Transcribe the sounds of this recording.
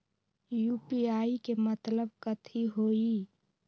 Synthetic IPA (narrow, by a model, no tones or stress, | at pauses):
juːpiaːikemət̪ləbkət̪ʰiɦoːi